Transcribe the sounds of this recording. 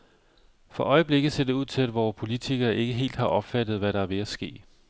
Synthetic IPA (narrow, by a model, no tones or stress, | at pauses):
fɒ̽ʔɒ̽ɪəb̥le̝ɡ̥ð̩ˠse̝ɐd̥euð̰ˠt͡sʰe̝læd̥ʋɒːspʰo̝lit͡sʰiɡ̥ɐːʔe̝ɡ̥əɦe̝̰ːld̥hɑ̈ʔɒ̽b̥fæd̥ð̩ˠʋæɾɑ̈æɐʋe̝æsɡ̥e̝̰ː